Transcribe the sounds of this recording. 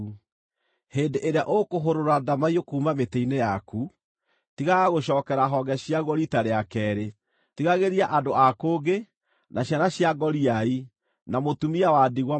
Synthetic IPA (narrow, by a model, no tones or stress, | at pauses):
heːndeʔeɾeaʔokoɦoɾoɾadamaiokuːmameteinejaku | tiɣaɣoɕɔːkɛɾaɦɔɡɛɕiaɣɔɾitaɾeakɛɾe | tiɣaɣeɾiaʔadoakoːɡe | naɕjanaɕjaɡɔɾiai | namotumiawadiɣwa